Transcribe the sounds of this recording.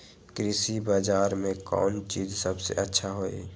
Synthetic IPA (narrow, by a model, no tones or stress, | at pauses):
kɾɪsibaːd͡ʒaːɾmẽkɔ̰ːnt͡ʃiːzsəbsḛʔətːʃʰaɦoḛ